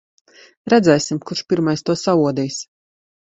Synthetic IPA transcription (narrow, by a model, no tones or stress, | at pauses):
ɾɛd̪zɛjsimkuɾʃpʲiɾmajst̪uɔsauɔd̪iːjs